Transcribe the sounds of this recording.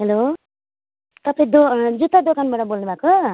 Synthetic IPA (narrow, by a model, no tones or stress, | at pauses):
ɦelo | t̪ʌpãĩd̪od͡zut̪ːad̪okanbaʈʌbolnubʱako